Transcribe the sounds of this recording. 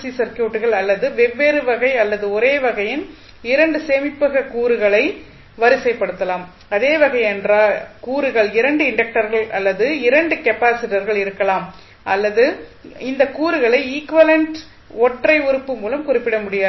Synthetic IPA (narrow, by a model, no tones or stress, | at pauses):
sisɐɾkjuːʈːɯɣɐɭɐlːɐðɯʋɛʋːeːɾɯʋɐɣɐɪɐlːɐðɯɔɾeːʋɐɣɐjɪn | ɪɾɐɳɖɯseːmɪpːɯɣɐkuːɾɯɣɐɭɐɪ | ʋɐɾɪsɐɪpːɐɽɯt̪ːɐlaːm | ɐðeːʋɐɣɐɪɛndraːlkuːɾɯɣɐɭɪɾɐɳɖɯɪɳɖɐk̚ʈɐɾɣɐɭɐlːɐðɯɪɾɐɳɖɯkɛpːaːsɪʈɐɾɣɐɭɪɾɯkːɐlaːm | ʔɐlːɐðɯɪnd̪ɐkuːɾɯɣɐɭɐɪiːkʋɐlɐɳʈ | ɔʈrɐɪʊɾɯpːɯmuːlɐmkʊrɪpːɪɽɐmʊɽɪjaː